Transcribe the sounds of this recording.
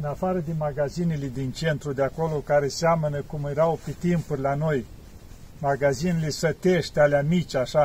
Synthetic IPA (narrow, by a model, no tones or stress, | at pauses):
ɨnafaɾəd̪emaɡazineled̪int͡ʃe̞nt̪ɾud̪eako̞lo̞kaɾe̞seamənəkumjeɾawpet̪impurʲlano̞j | maɡazinelesət̪eʃt̪ʲealeamit͡ʃʲaʃa